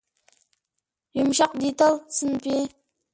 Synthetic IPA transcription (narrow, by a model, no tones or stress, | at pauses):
jʊmʃɑq̚d̪it̪alˠsɨnpi